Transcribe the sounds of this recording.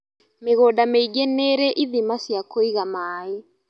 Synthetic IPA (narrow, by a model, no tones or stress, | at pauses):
meɣodameiɡɛnɛɾɛʔiðimasiakoiɣamaːe